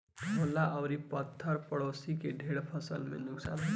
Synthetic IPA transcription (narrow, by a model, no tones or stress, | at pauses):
molaʔʌwɾipət̪ʰːəɾpəɽosikeɖʱeɽpʰʌsəlmḛnʊksa̰nɦe